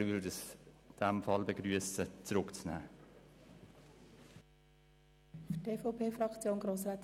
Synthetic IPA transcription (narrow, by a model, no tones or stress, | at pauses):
ʋʏldəsd̥ɛmfɑlbeɡɾyəsət͡sɾʊkt͡snæ̰ː | fteːfopʰeːfrɑkt͡sjoːnɡɾoːsraːt